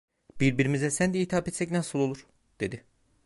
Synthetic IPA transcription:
biɾbiɾimizɛsænd̪ɛiːt̪ʰapet̪sɛc̬nasɯlˠo̞lˠuɾ̥ | d̪̥e̞d̪i

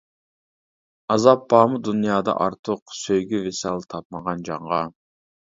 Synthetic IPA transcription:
ɑzɑpːɑːmud̪unijɑːd̪ɑ̰ʔɑɾt̪ʰəqsøjɡʲyvesɑlˠt̪ʰɑp̚mɑʁɑnd͡ʒɑɴʁɑ

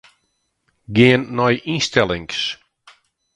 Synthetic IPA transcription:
ɡeːnːɔjʔinstɛlˠɪŋks

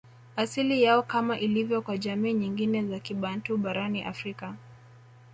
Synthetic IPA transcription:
asilijaɔkamaʔilivjɔkwaʄamiːɲiŋɡinɛzakiɓan̩tuɓaɾaniʔa̰fɾika

